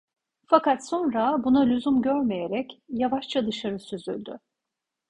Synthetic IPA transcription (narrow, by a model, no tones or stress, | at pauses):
fakat̪so̞nɾabunalʲyzumɟøɾmejeɾɛcjavaʃt͡ʃʰad̪ɯʃaɾɯsyzylʲd̪y̰